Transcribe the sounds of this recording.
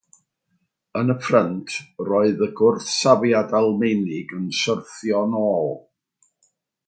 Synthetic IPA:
ənəpʰrəntʰrɔɨðəɡʊrθsavjadalˠmenɪɡənsərθjɔnɔːlˠ

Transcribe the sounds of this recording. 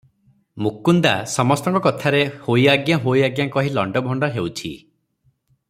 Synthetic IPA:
mukːund̪asɔmɔst̪ɔŋkɔkɔt̪ʰaɾehojaɡjaɦojaɡjaŋkɔɦilɔ̰ɳɖɔbʱɔɳɖɔɦewt͡ʃʰḭ

